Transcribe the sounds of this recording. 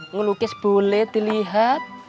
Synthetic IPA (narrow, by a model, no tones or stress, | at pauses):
ŋəlukɪsb̥olet̪iliɦat̪̚